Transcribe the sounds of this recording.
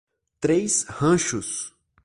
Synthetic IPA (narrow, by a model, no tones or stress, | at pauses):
t̪ɾejshɐ̃ʃʊs